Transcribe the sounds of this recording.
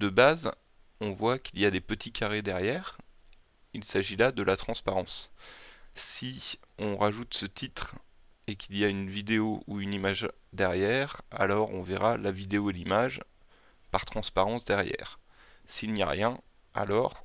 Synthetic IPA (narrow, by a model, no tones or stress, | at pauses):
d̪əbaz | ɔ̃vwakilijad̪epət̪ʰikʲʰaʁed̪ɛʁjɛːʁ | ilsaʒilad̪əlʔat̪χɑ̃spaʁɑ̃s | siɔ̃ʁaʒut̪sət̪it̪χ | ekʰilijaynvid̪eouynimaʒ | d̪ɛʁjɛʁa̰lɔʁɔ̃vɛʁalavid̪eoelimaʒ | paʁ̥t̪χɑ̃spaʁɑ̃sd̪ɛʁjɛ̰ːʁsilnia̰ʁjɛ̃ | a̰lɔʁ